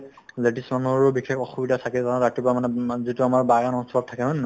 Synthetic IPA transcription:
leʈismanuhɔɹɔbixʰekɔxubidʱatʰakɛtaazatipɹamanɛzituamaɹbaɡanɔnsɔɹɔttʰːakɛɦonː

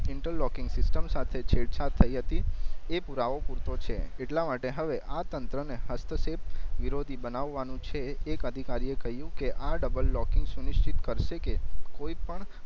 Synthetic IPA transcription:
ɪɳʈəlːɔkɪ̃ŋɡsɪsʈəmsat̪ʰet͡ʃʰeɽt͡ʃʰat̪ʰːəiɦət̪iepuɾaʋopuɾt̪ot͡ʃʰeeʈlamaʈeɦəʋeʔat̪ənt̪ɾəneɦəst̪ʰəsep̚ʋiɾod̪ʱibənaʋːanũt͡ʃʰeːkəd̪ʱikaɾiekəɦjũkeʔaɖəbəlːɔkɪŋɡsunɪʃt͡ʃit̪kəɾʃekekoipəɳ

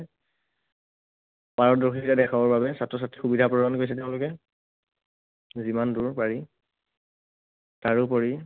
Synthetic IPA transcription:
paɹɔdoxitadɛkʰabɔɹbabɛsatɹɔs̬atɹixubidʱapɹɔɔnkojs̬ɛtɛʊ̃lʊkɛ | zimanduɹpaɹi | taɹʊpɔɹi

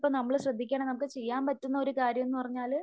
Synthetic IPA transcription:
pːonɐmːɐɭɕrɐd̪ʱːikʲːaːɳɐnɐmukːɨt͡ɕe̞jːaːnpɐtːunːɐo̞ɾukaːɾjɐmenːɨpɐrɐɲːaːl

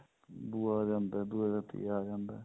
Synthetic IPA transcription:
b̪uaːd͡ʒãnd̪ad̪ud͡ʒat̪ḭaːd͡ʒãːnd̪aː

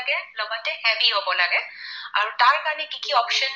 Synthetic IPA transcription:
ɡelɔɡɔt̪ːehɛʋiɦobɔlaɡeaɾt̪aɾkalekikiɔpʃən

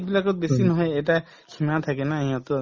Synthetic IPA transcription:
bilakɔt̪̚besinɔɦeeʈa | kʰimat̪ʰakenaɦĩɔ̃t̪ɔ

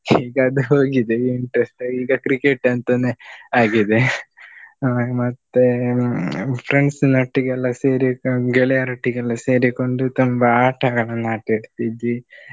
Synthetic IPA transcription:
iːɡɐɐd̪uɦo̞ːɡid̪eiɳʈɾesʈiːɡɐkɾikeʈːɐnt̪ɐneaːɡid̪e | mɐt̪ːe | pʰɾeɳɖsnɐʈːiɡɛlːɐseːɾiɡeɭɛjaɾiʈːiɡɛlːɐse̞ːɾiko̞ɳɖut̪ombɐaːʈʰɐɡɐɭɐnːaːʈeɽt̪id̪ːi

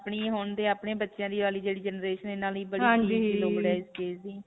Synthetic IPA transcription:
pɳiːɦʊɳd̪eːaːpɳẽːbətːʃjãːd̪iːʋaːliːd͡ʒeːɽiːd͡ʒənɾeːʃənenaːliːbəɦiãːiiiːloːɡɽaːɪzkeːsd̪iː

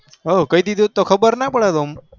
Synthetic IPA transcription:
ɦokəid̪id̪ot̪okʰəbəɾnapəɽad̪om

